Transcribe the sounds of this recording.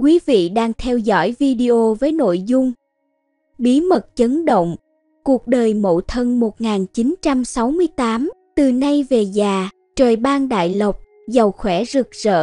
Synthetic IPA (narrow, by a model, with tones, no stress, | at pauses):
kwi˨˦vḭ˧˨ɗaː˧ŋt̪ʰɛ˧wzɔ̰˧˥jvi˧ɗi˧ʔo˧vəː˨˦jno̰˧˨jzʊ˧ŋ͡m | ɓi˨˦mə˨˩t̚t͡ɕə˨˦nɗo̰˧˨wŋ͡m | ku˨˩ək̚ɗəː˨˩jmo̰˧˨t̪ʰə˧nmo˨˩t̚ŋaː˨˩nt͡ɕi˨˦nt͡ɕa˧msa˨˦wmɨ˧əjt̪aː˨˦mt̪ɨ˨˩na˧jve˨˩zaː˨˩ | t͡ɕəː˨˩jɓaː˧nɗa̰ː˧˨jlə˨˩wk͡p̚ | za˨˩wxwɛ˧˩zɨ˨˩k̚zə̰ː˧˨